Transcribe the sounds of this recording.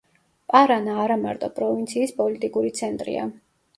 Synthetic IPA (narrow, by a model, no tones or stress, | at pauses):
pʼaɾanaːɾamaɾt̪ʼɔpʼɾɔvint̪sʰiːspʼɔlit̪ʼikʼuɾit̪sʰɛnt̪ʼɾḭa̰